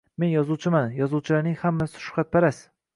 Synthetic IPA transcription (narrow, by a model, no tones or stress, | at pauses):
me̞njɒzuwt͡ʃʰɪmanjɒzuwt͡ʃʰɪlaɾnɪŋhamːasɪ̥ʃʊ̥qɑt̪̚baɾas